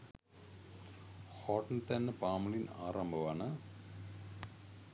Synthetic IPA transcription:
hɔʈnt̪ænːəpaːmunina̰ːɾambəʋanə

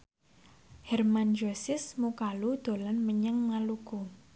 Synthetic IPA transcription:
hɛrmand͡ʒosɪsmukalud̪̥o̤lanməɲəŋnaluku

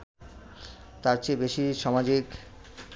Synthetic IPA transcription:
t̪aɾt͡ɕʰebeʃiʃɔmad͡ʑik

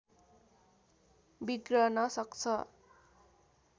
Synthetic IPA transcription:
biɡrʌnʌsʌkt͡sʰʌ

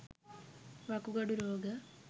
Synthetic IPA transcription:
ʋɐkuɡɐɽuɾoːɡɐ

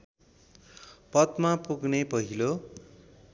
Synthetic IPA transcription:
pʌt̪mapuɡnepʌɦilo

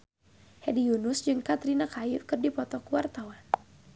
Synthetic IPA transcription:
hɛdiunʊsd͡ʒɨŋkat̪ɾinakajukɨrdipɔt̪ɔkuwart̪awan

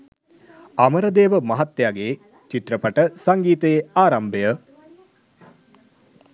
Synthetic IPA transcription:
aməɾəd̪eːʋəmɐɦat̪ːjaːɡeː | t͡ʃit̪ɾəpɐʈəsaŋɡiːt̪ejeaːɾɐmbəjə

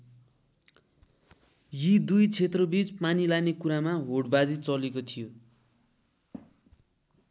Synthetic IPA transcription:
jid̪ujt͡sʰet̪rʌbit͡spanilanekuɾamaɦoɽbad͡zit͡sʌlekot̪ʰijo

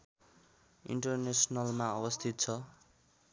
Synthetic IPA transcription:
ḭɳʈʌrnesnʌlmaʌbʌst̪ʰit̪̚t͡sʰʌ

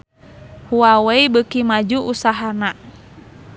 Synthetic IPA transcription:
huaweibəkimad͡ʒuʔusaɦana

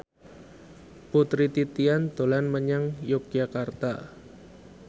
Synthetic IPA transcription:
put̪ɾit̪it̪iand̪̥o̤lanməɲaŋjok̚ʒakart̪a

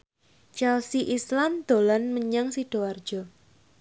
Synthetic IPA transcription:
t͡ʃɛlsiʔislamd̪̥o̤lanməɲaŋsiɖ̥ɔ̤ward̥ʒ̥ɔ̤

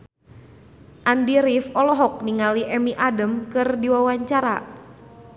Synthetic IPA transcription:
ʔandiɾifɔlɔɦɔk̚niŋaliʔɛmiʔadəmkɨrdiwawaɲt͡ʃaɾa̰

